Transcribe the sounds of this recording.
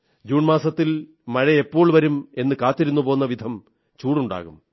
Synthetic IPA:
d͡ʑuːɳmaːsɐt̪ːil | mɐɻɐepːo̞ːɭʋɐɾume̞nːɨkaːt̪ːiɾunːupo̞ːnːɐʋid̪ʱɐm | t͡ɕuːɽuɳɖa̰ːɣum

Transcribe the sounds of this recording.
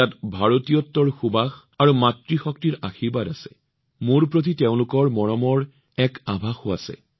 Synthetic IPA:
atbʱaɹotijɔtːɔɹxubax | aɹumatɹixɔk̚tiɹaxibadasɛ̰ | muɹpɹot̬iteʊ̃lʊkɔɹmɔɹɔmɔɹ | ɛkabʱaxoasɛ̰

